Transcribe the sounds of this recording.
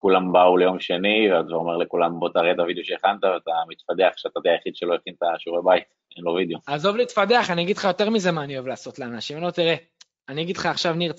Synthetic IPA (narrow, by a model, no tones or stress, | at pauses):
kulambaulejo̞mʃe̞nivead̪vaʁomeʁlekulambot̪aʁet̪avideoʃeeχant̪aveat̪amit̪fad̪eaχʃeat̪at̪eajaχid̥̪ʃelojeχint̪aʃuʁebajt̪ | enlovid̪eoazo̞vliːt̪fad̪e̞aχaniaɡid̪lχajo̞t̪e̞ʁmize̞maːnioevlaːso̞t̪leanaʃimalot̪iʁe̞ | aniaɡidχaːχʃavniʁt͡s